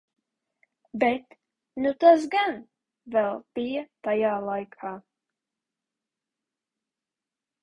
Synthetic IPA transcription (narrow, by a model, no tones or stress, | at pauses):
bɛt̪ | nut̪azɡan | vɛlˠpiːt̪ajalajkha